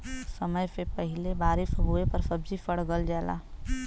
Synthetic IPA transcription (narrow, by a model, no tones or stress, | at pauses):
səməjpepəɦɪlebaːɾefɦuepəɾsəbd͡ʒifəɽɡəld͡ʒɛːla̰ː